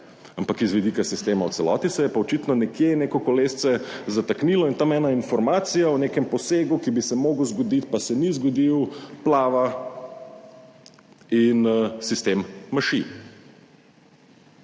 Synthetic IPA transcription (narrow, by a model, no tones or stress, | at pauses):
ampakizʋid̪ikasist̪eːmawt̪sɛlɔ̰ːt̪isɛjɛpaɔt͡ʃiːt̪nɔnɛkjeneːkɔkɔleːst̪sɛzat̪akniːlɔint̪amɛːnainfɔɾmaːt̪sijaɔnekɛmpɔseːɡukibisɛmoːɡwzɡɔd̪it̪pasɛnizɡɔd̪iwplaːʋa | insist̪emːaʃi